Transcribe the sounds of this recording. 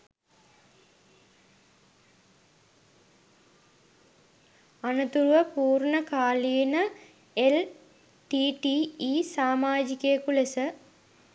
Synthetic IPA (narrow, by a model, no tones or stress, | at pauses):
anɐt̪uɾuʋəpuːrɳəkaːlijnə | el | ʈiʈiiːsaːmaːd͡ʒikejkulesə